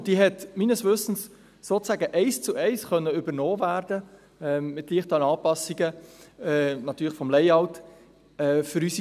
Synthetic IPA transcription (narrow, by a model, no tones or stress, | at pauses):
d̥iːɦɛtmiːnəsʋʏsn̩sː | oːt͡sæːɡəʔɛɪst͡suɛɪsχœnːəʏbənoːvæːɾdə | ɛːmɪtliəχtəənɑːpɑsiɡəɛnɑt̪yːɾlɪfɔmlɛɪɑʊt | ɛːfʏɾysi